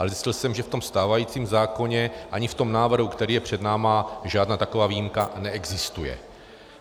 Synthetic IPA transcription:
ʔalɛzɪscɪlsɛmʒɛft̪o̞mst̪aːvajiːt͡siːmzaːko̞ɲɛʔaɲɪft̪o̞mnaːvr̩ɦukt̪ɛɾiːjɛpr̥ɛdnaːmaʒaːdnaːt̪akovaːvijimkanɛʔɛɡzɪst̪ujɛ̰

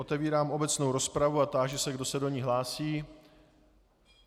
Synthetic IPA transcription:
ot̪ɛviːɾaːmo̞bɛt͡sno̞wɾo̞spɾavuat̪aːʒɛsɛɡdo̞sɛdo̞ɲiɦlaːsiː

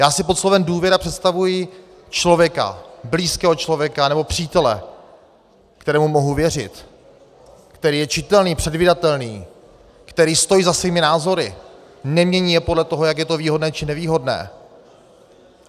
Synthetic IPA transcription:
jaːsɪpot̪slo̞vɛmduːvjɛɾapr̝̥ɛt̪st̪avujɪ | t͡ʃlo̞vjɛka̰bliːskɛːɦo̞t͡ʃlo̞vjɛkanɛbo̞pr̥iːt̪ɛlɛ̰ | kt̪ɛɾɛːmumo̞ɦuvjɛrɪ̰t̪ | kt̪ɛɾiːjɛt͡ʃɪt̪ɛlniːpr̥ɛdvɪdat̪ɛlniː | kt̪ɛɾiːst̪o̞jiːzasviːmɪnaːzo̞ɾɪ̰ | nɛmɲɛɲiːjɛpo̞dlɛt̪oɦojak̬jɛt̪o̞viːɦodnɛːt͡ʃɪnɛviːɦo̞dnɛ̰ː

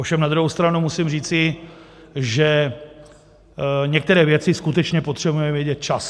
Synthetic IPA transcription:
ʔofʃɛmnad̪ɾuɦowst̪ɾanumusimriːt͡sɪ | ʒɛ | ɲɛk̚t̪ɛɾɛːvjɛt͡sɪskut̪ɛt͡ʃɲɛpot̪r̥ɛbujɛmvjɛɟɛt̪̚t͡ʃas

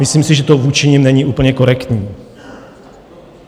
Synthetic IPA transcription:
mɪsliːmsɪʒɛt̪ovuːt͡ʃɪɲimnɛɲiʔuːpl̩ɲɛko̞ɾɛkt̪ɲiː

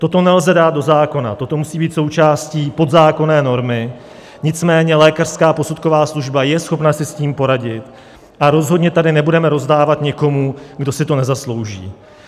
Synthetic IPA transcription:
t̪o̞t̪o̞nɛlzɛdaːt̪̚do̞zaːko̞na̰t̪o̞t̪o̞musiːbiːt̪so̞wt͡ʃaːsciːpo̞d̪zaːko̞nɛːno̞ɾmɪ | ɲɪt͡smɛːɲɛlɛːkar̝̥skaːpo̞sut̪ko̞vaːsluʒbajɛsxo̞pnasɪsciːmpo̞ɾaɟɪt̪ | ʔaɾo̞zɦodɲɛt̪adɪnɛbudɛmɛɾo̞zdaːvat̪ɲɛko̞muɡdo̞sɪt̪o̞nɛzaslo̞wʒḭː

